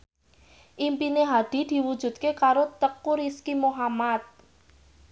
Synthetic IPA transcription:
ʔimpineɦad̪̥i̤d̪̥i̤wud̥ʒ̥ṳt̪̚kekaɾot̪əkuɾiskimoɦamat̪̚

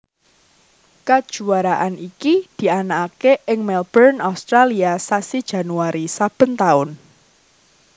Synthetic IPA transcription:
kad̥ʒ̥ṳaɾaʔanikid̪̥i̤anaakeʔɪŋmɛlb̥ərnaust̪ɾaliasasid̥ʒ̥a̤nuaɾisab̥ə̤nt̪aʊn

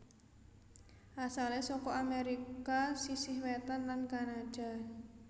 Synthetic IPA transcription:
ʔasalesɔkɔameɾikasisɪhwɛt̪anlankanad̥a̤

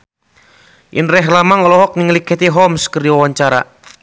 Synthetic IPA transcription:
ʔḭnrɛɦlamaŋɔlɔɦɔk̚niŋlikɛt̪iɦɔmskərdiwawaɲt͡ʃaɾa̰

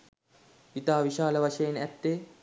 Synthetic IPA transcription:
ʋit̪aːʋiʃaːləʋaʃɐjenæt̪ːeː

